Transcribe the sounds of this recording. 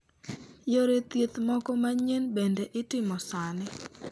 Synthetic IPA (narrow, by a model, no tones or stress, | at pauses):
joɾet̪jet̪mɔkɔmaɲenbendeʔɪtɪmɔsanɪ